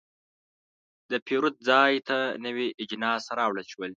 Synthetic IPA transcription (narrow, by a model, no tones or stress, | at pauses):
d̪əpʰiɾut̪̚d͡zɑjt̪ʰanəwiʔɪd͡ʒnɑsɾɑwɽəlʃwəl